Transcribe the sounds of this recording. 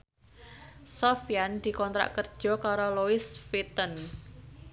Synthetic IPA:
sɔfiand̪̥i̤kɔnt̪ɾa̰ʔkərd̥ʒ̥ɔ̤kaɾoloɪsfit̪ən

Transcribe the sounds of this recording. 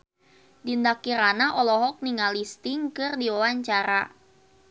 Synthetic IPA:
dindakiɾanaʔɔlɔɦɔk̚niŋalist̪ɪŋkɨrdiwawaɲt͡ʃaɾa

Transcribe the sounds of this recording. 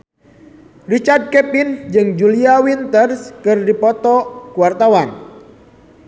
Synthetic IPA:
rit͡ʃard̚kɛpind͡ʒɨŋd͡ʒuliawint̪ərskɨrdipɔt̪ɔkuwart̪awan

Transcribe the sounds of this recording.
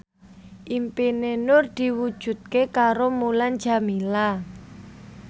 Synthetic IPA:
ʔimpinenʊrd̪̥i̤wud̥ʒ̥ṳt̪̚kekaɾomulan̥d͡ʒ̥a̤mila

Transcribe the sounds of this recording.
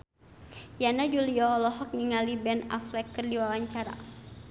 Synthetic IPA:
janad͡ʒuliɔːlɔɦɔk̚niŋalibɛna̰flɛkːərdiwawaɲt͡ʃaɾa̰

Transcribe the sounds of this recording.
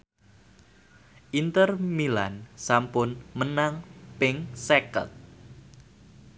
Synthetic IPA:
ʔint̪ərmila̰nsampʊnmənaŋpɪŋsɛkə̰t̪̚

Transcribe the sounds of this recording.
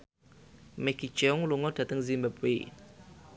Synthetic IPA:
mɛkit͡ʃɛuŋluŋɔd̥a̤t̪əŋzimbabwḛ

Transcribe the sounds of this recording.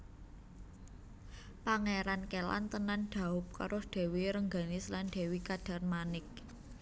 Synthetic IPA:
paŋeɾankela̰nt̪ənanɖ̥a̤ʊp̚ka̰ɾʔʊsd̪̥e̤wiɾəŋɡa̤nɪsland̪̥e̤wikad̥a̤rmanɪk̚

